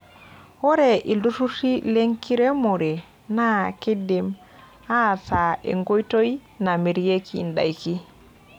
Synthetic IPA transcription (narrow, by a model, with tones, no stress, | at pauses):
wo˦ɾe˨ʔi˨lu˦tu˦ti˦le˦ŋki˦ɾe˦mo˨ɾe˨ | na˦ki˦dem | ha˦sa˨ḛ˨ŋɡo˦jto˦ina˨mi˨ɾje˦kʰinda̰˨jki˦